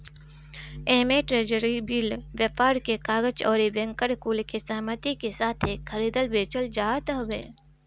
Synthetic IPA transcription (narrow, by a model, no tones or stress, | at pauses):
eɦmeʈɾeːd͡ʒəɾibiːlwjəpaːɾkekaːɡət͡ʃɔːɾebɛ̃ŋkəɾkuːlkesəɦmət̪ikesaːt̪ʰeːkxʰəɾiːd̪əlbeːt͡ʃəld͡ʒaːt̪ɦbeː